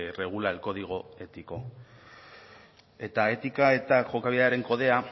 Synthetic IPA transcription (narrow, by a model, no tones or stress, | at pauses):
re̞ɣ̞ulalko̞ð̞iɣ̞oe̞t̪iko̞ | e̞t̪ae̞t̪ikae̞t̪aʝo̞kaβiaɾe̞ŋko̞ð̞e̞a